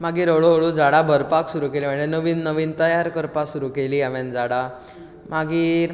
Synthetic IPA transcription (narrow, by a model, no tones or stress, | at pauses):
maɡiːɾəɭoɦoɭud͡zaɽabʱəɾpaksuɾuːkelim̤əɳd͡zenəʋiːnːəʋiːnt̪əjaɾkəɾpasuɾukeliːaʋɛ̃nd͡zaɽa | maɡiː